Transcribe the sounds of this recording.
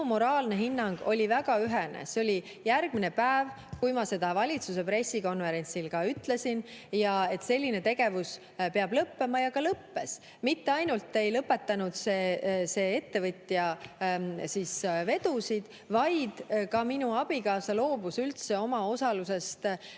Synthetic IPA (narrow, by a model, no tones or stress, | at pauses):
umo̞ɾɑːlne̞ɦinːɑŋɡ̥o̞lʲivæɡ̥ɑyɦenḛseolʲi | jærɡ̥̚mine̞pæev | kujmɑse̞d̪̥ɑvɑlʲit̪sus̬e̞pɾe̞sːiko̞nve̞ɾe̞nʲsilkɑyt̪ːˑle̞sinjɑe̞t̪ːse̞lʲːine̞t̪e̞ɡ̥e̞vus | pe̞ɑb̥lɤpːe̞mɑjɑkɑlɤpːe̞s | mit̪ːe̞ɑjnult̪ːe̞jlɤpːe̞t̪ːɑnud̪̥se̞se̞e̞t̪ːe̞vɤt̪ʲjɑ | sisve̞d̪usid̪̥ | vɑjd̪̥kɑminuɑb̥ikɑːsɑlo̞ːbusylt̪se̞o̞mɑo̞sɑluse̞st̪